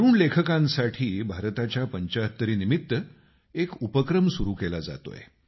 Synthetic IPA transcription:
ɾuːɳlekʰəkãnsaʈʰiːbʱaɾt̪at͡ɕjapəɲt͡ɕaət̪ːəɾiːnimit̪ːə | ekupəkɾəmsuɾuːkelad͡za̰t̪o̰jḛ

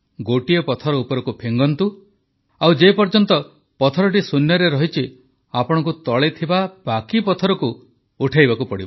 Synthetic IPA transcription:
ɡoʈijɔpɔt̪ʰɔɾɔupɔɾɔkupʰeŋɡɔnt̪u | awd͡ʒepɔɾd͡ʒɔnt̪ɔ | pɔt̪ʰɔɾɔʈ̬isunjɔɾeɾɔɦit͡ʃʰi | apɔɽ̃ɔk̬ut̪ɔɭet̪ʰibabakipɔt̪ʰɔɾɔkuː | ʈʰajbakupɔɽiba

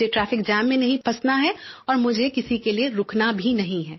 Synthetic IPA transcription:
eʈɾaːfɪkd͡ʒaːmːẽnɐɦĩpʰɐsnaɦɛɔːɾmʊd͡ʒʱekɪsikelieɾʊkʰnabʱinɐɦĩɦɛː

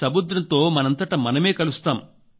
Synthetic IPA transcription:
sɐmud̪ɾɐnt̪o̞ːmɐnɐnt̪ɐʈɐmɐnɐme̞ːkɐlust̪aːm

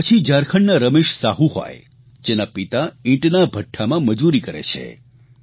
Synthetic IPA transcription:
pət͡ʃʰid͡ʒaɾkʰəɳnaɾəmeʃsaɦũɦo̰j | d͡ʒenapit̪aĩʈnabʱəʈʰːamãməd͡ʒuɾikəɾḛt͡ʃʰḛ

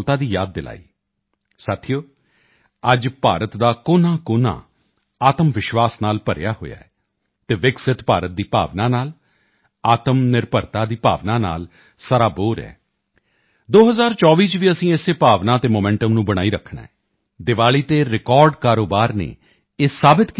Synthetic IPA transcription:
t̪aːd̪iːjaːd̪ːɪla̰ːiː | sat̪ʰijoː | əd͡ʒpaːɾət̪d̪aːkʊːnãːkoːnã̰ː | aːt̪əmʋɪʃʋaːsnaːlpəɾ̰jaːɦo̰ːja̰ːɛː | t̪eːʋɪksɪt̪pa̰ːɾət̪̚d̪iːpa̰ːʋnãːnaːl | aːt̪əmnɪɾpəɾt̪aːd̪iːpa̰ːʋnaːna̰ːl | səɾaːboːɾɛ̰ː | d̪oːɦəzaːɾt͡ʃɔːʋiːt͡ʃʋiːəsĩːeːseːpaːʋnãːt̪eːmoːmɛ̃ɳʈəmnũːbəɽ̃aːiːɾəkʰɳa̰ːɛː | d̪ɪʋaːɭiːt̪eːɾɪkɔːɾɖkaːɾoːbaːɾnḛː | eːsaːbɪt̪k

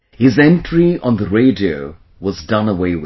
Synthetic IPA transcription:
hɪzɛ̃ntʰɹiʔə̃nðəɹeɪdioʊ | wʌzdʌ̃nəweɪwɪ

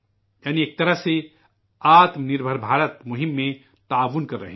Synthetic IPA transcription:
jaːnieːk̚t̪ɐɾəɦse | aːt̪mnɪɾbʱəɾbʱaːɾət̪mʊɦɪmːẽ | t̪aːʋunkɐɾːɐ̰ɦe

